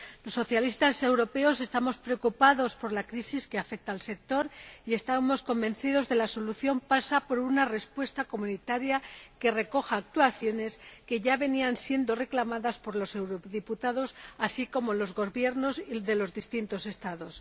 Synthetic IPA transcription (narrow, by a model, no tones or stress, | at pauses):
lo̞sːo̞θjalist̪ase̞wɾo̞pe̞o̞se̞st̪amo̞spɾe̞okupaðo̞spo̞ɾlakɾisiskeafe̞k̚t̪aːlse̞k̚t̪o̞ɾie̞st̪amo̞sko̞mbẽ̞nθiðo̞zðe̞laso̞luθjo̞mpasapo̞ɾunare̞spwe̞st̪ako̞munit̪aɾjake̞re̞ko̞xaːk̚t̪waθjo̞ne̞ske̞ʝaβe̞niansje̞nd̪o̞re̞klamaðaspo̞ɾlo̞se̞wɾoðiput̪aðo̞sasiko̞mo̞lo̞zɣo̞βje̞ɾno̞siðe̞lo̞zðist̪int̪o̞se̞st̪aðo̞s